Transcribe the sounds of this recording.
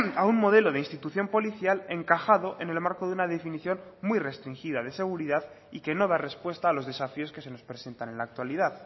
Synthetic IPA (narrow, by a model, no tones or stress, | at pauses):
aunmo̞ð̞e̞lo̞ðeinst̪it̪uθjo̞mpo̞liθjale̞ŋkaxaðo̞ʔe̞ne̞lmaɾkoðunaðe̞finiθjo̞nmwijre̞st̪ɾiŋxiðað̞e̞se̞ɣ̞uɾiðað | ike̞no̞ð̞are̞spwe̞st̪aːlo̞zðe̞safio̞ske̞se̞no̞spɾe̞se̞nt̪ane̞nlaːk̚t̪waliðað